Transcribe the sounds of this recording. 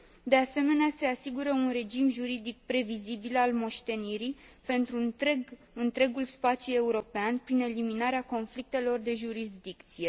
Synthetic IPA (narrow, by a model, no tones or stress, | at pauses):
d̪e̞ase̞me̞nease̞asiɡuɾəunre̞d͡ʒimʒuɾid̪ik̚pɾe̞vizibilalmo̞ʃt̪e̞niɾipe̞nt̪ɾu | ɨnt̪ɾe̞ɡulspat̪sʲjue̞uɾo̞peanpɾine̞liminaɾeako̞nflik̚t̪e̞lo̞rd̪e̞ʒuɾisd̪ikt̪sije̞